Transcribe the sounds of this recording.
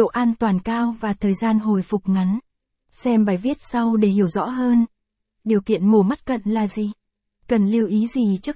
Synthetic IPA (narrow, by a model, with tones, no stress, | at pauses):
o̰˧˨ʔaː˧nt̪waː˨˩nkaː˧wvaː˨˩t̪ʰəː˨˩jzaː˧nɦo˧˨˩jfʊ˨˩k͡p̚ŋa˨˦n | sɛ˧mɓaː˧˩jvi˦˥ət̚sa˧wɗe˧˩hi˨˧˩əwzɔ̰˧˥ɦəː˧n | ɗi˨˩əwkḭ˧˨ənmu˨˩əma˦˥t̚kə̰˧˨nlaː˨˩zi˨˩ | kə˨˩nli˧əwʔi˨˦zi˨˩t͡ɕɨ˦˥k